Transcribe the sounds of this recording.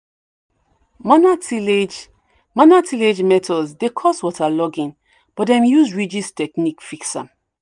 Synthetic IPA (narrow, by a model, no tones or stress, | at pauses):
manatiled͡ʒ | manatʰiled͡ʒmɛtʰɔzdekʰɔswɔtʰalɔɡĩn | b̥ɔtdɛ̃mjuzɹid͡ʒistɛknikfiksã̰